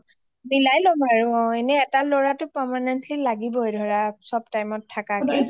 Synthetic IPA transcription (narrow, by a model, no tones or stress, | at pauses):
milajlɔmaɹʊɔenɛɛtalɔɹatʊpɛɹmanɛntlilaɡibɔɛdʱɔɹasɔbtajmɔtʰːakakɛ